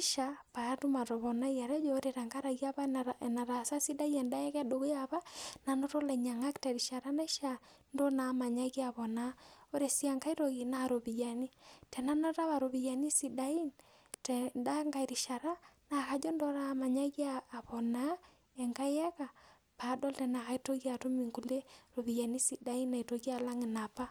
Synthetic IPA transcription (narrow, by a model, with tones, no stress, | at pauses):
i˦ʃapa˨˦tu˦ma˨ɾo˨βɔ˨na˦ija˨ɾɛ˦d͡ʒo˦ɾe˨ɾa˨ŋɡa˦ɾa˨ɣi˦a˦βa˦nana˨ɾa˨sa˦si˦da˦i˦ɛ˨nda˦jɛ˦kɛ˦do˨ɣe˦a˨βa˦na˨no˦to˦lɛ˨ɲa˨ŋa˦kta˨ɾi˨ʃa˨ɾa˦na˦i˦ʃa˨ | ndo˦na˨ma˨ɲa˦ɣi˦a˨βɔ˨na˨o˦ɾe˨si˦a˨ŋka˦i˦ɾo˨ɣi˨na˨ɾo˨βi˨ja˨ni˦tɛ˨na˦nɔ˦ta˦βa˨ɾo˨βi˨ja˨ni˦si˨da˨i˦n | tɛnda˦ŋɡa˨i˨ɾi˨ʃa˨ɾa˦na˨ka˨˦d͡ʒo˦ndo˦ɾa˨ma˨ɲa˦ɣaː˨βɔ˨na˦ | ɛ˨ŋka˦jɛ˦ka˨ | pa˨˦dɔ˦ltɛ˨na˨ka˦i˦to˦ɣi˦a˨to˦mi˨ŋku˨le˦ɾo˨βi˨ja˨ni˦si˨da˨i˦na˨i˨to˦ɣi˦a˨la˦ŋɪ˨na˨pa˦